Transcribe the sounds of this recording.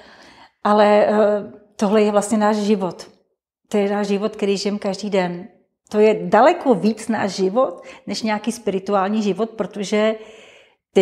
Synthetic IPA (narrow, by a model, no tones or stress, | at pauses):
ʔalɛ | t̪oɦlɛjɛvlast̪ɲɛnaːʃʒɪvot̪ | t̪ojɛnaːʒʒɪvot̪kɛɾiːʒɪjɛmkaʒdiːdɛn | t̪ojɛdalɛkoviːt͡sna̰ːʒʒɪvot̪nɛʃɲɛjakiːspɪɾɪt̪uaːlɲiːʒɪvot̪̚pɾot̪oʒɛ | t̪ɪ